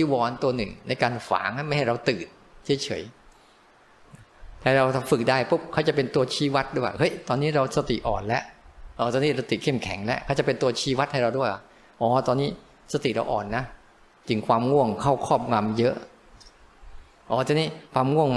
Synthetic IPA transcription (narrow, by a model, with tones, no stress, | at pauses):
tʰiː˧˥˩wɔː˧nt̪u˧ɐnɯ˨˩ŋna˧jkaː˧nfa̰ː˨˩˦ŋha˥˩jma˥˩jha˥˩jɾa˧wt̪ɯː˨˩t̪̚ | t͡ɕʰːt͡ɕʰɤ̰˩˦j | t̪ʰaː˧˥˩ɾa˧wt̪ʰa˧fɯ˨˩k̚daː˥˩jpu˦˥p̚kʰa˦˥˩wt͡ɕa˨˩pe˧nt̪u˧ɐt͡ɕʰiː˧˥˩wa˦˥t̪̚du˥˩ja̰˨˩hɤ˦˥˩jt̪ɔː˧nːiː˦˥˩ɾa˧wsa˧t̪ḭ˨˩ʔɔ̰ː˨˩nlɛ˦˥ʔʔaː˧˩t̪ɔː˧niː˦˥˩ɾa˧wt̪i˨˩kʰe˥˩mkʰɛ˨˩˦ŋlɛ̰˦˥ʔkʰa˥˩t͡ɕa˨˩pe˧nt̪u˧ɐt͡ɕʰiː˥˩wa˦˥t̪̚ha˥˩ɾa˧wdu˥˩əjʔa̰˨˩ | ʔɔː˨˩t̪ɔː˧nːiː˦˥ | sa˧t̪i˨˩ɾa̰˧wʔɔ̰ː˨˩nːa˦˥ | t͡ɕɯ˧ŋkʰwaː˧mŋu˥˩əŋkʰa˥˩wkʰɔː˥˩p̚ŋa˧mjɤ˦˥ʔ | ʔɔː˨˩t̪a˧˦niː˦˥˩kʰwaː˧mŋu˥˩əŋm